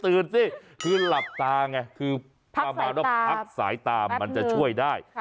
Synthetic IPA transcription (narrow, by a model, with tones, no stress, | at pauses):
t̪ɯː˧nsi˥˩ | kʰɯː˧la˨˩p̚t̪aː˧ŋa˧˩kʰɯː˧ | pʰa˧maː˧nwaː˥˩a˦˥k̚sa̰ː˩˦jt̪aː˧ma˧nt͡ɕa˨˩t͡ɕʰu˥˩əjdaː˥˩j